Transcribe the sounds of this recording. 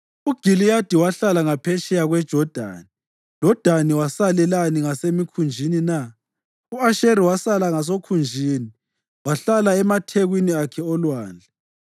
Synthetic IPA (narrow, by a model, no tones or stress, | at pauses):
uɡ̥ʱilijad̥ʱiwaɬalaŋapʰɛʃɛjaɣwɛd̥ʒ̥ʱɔd̥ʱa̰ːni̥ | ʒ̥ʱɔd̥ʱaniwasalɛlaniŋasemikʰund͡ʒʱinina | uaʃeɾiwasalaŋas̬okʰund͡ʒʱiːni | waɬalaɛmatʰeɣwiniakʰɛɔlwaːnd͡ɮʱɛ